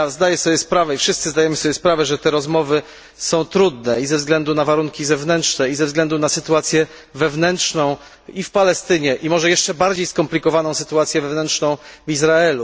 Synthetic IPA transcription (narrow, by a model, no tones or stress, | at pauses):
zd̪ajɛsɔbjɛspɾavɛifʂɘst̪sɘzd̪ajɛmɘsɔbʲjɛspɾavɛʐɛt̪ɛɾɔzmɔvɘ | sɔ̃w̃t̪ɾud̪̚nɛizɛvzɡlɛnd̪unavaɾuŋkʲizɛvnɛntʂnɛizɛvzɡlɛnd̪unasɘt̪uat̪sʲjɛ | vɛvnɛntʂnɔ̃w̃ | ifpalɛst̪ɘɲɛʔimɔʐɛjɛʂt͡ʂɛbaɾd͡ʑejskɔmplʲikɔvanɔ̃w̃sɘ̥t̪uat̪sʲjɛvɛvnɛntʂnɔ̃w̃vizɾaɛlu